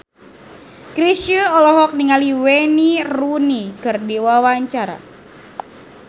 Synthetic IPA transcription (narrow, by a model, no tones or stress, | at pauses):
kɾisuɔlɔɦɔk̚niŋaliwenirunikɨrdiwawaɲt͡ʃaɾa̰